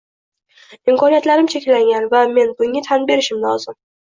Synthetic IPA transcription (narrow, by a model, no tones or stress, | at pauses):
ɪmkʰɒnijat̪laɾɪmt͡ʃʰekʲlaŋʲanvame̞nbʊŋːɪt̪ʰanbe̞ɾɪʃɪmlɒzɪm